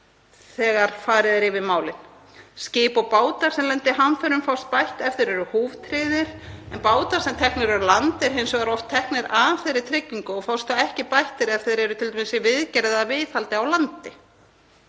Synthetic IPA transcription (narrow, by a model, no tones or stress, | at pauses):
θɛːɣaɾ̥faːɾɪðɪɾɪvɪðmaːwlɪn | scɪːpɔpaːwt̪aɾ̥sɛmlɛnt̪ɪɦanfœɾʏmfawst̪̚pajht̪ɛft̪ɪɾɛɾʏhuːvt̪ʰɾɪːðɪɾ̥ɛnpaːwt̪aɾ̥sɛmt̪ʰɛhknɪɾɛɾlant̪ɛɾ̥hejnsɔɣɛɾɔft̪ʰːɛhknɪɾaθejɾɪt̪ʰɾɪcːiŋkʏɔɣfawst̪aɛhcɪpajht̪ɪɾafθeðɾɛɾʏt̪ʰɪlt̪ɛmɪsɪvɪðcɛɾɛðavɪθalt̪ɪawlant̪ɪ